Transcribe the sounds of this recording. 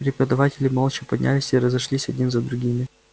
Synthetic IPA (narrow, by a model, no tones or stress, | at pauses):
ɾʲɪpəd̪ɐvatʲɪlʲɪmolˠt͡ʃɪpɐdʲnʲʔa̰lʲɪsʲiɾəzɐʂlʲisʲɐdʲnʲinzəd̪ɾʊɡʲimʲɪ